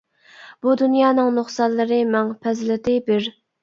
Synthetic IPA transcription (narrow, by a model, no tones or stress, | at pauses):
b̥ud̪unjɑːnɨŋnʊχsɑlːɨɾɨmɛŋpʰɛzlɪd̪ɪbɪɾ